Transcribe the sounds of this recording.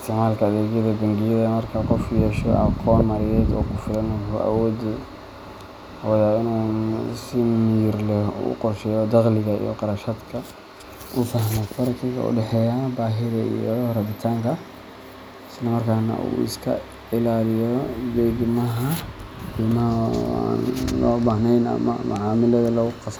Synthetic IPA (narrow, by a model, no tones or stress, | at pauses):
ɪst̪ʰɪʕmaːlkʰɐːðɛːd͡ʒjɐðɐbɐŋɡɪjɐðɐmɐrkʰɐqɔfkʰjɛːʃɔ̰ʔɑ̰qʰɔːnmɐɾɪjɛːd̪ɔ̰ːkʰʊfɪlɐnɦʊʔa̰wɔːd̪ɪ | wɐðaːɪnuːsɪmjɪrlɛ̰ːqɔrʃɛːjɔd̪ɑqlɪɣɐḭjɔqɑɾɐʃɐd̪kʰɐ | ʔʊfɐɦmɔfɐɾɐkʰɪɣɐ̰ʔʊ̰ɖɛħɛːjaːbaːɦɪðɐḭjɔrɐðɪt̪ʰaːŋkʰɐ | ɪslɐmɐrkʰaːnɐ̰ʔṵːɪ̰skʰɐ̰ | ɪlaːlɪjɔdɛːɡmɐɦɐħiːmɐɦa̰ːnlɔːbahnɛjnɐ̰mɐ̰mʊʕaːmɪlɐðɐlɐɣʊqɑs